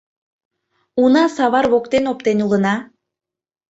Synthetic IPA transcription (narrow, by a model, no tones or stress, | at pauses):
unɑsɑβɑrβokt̪enopt̪enulənɑ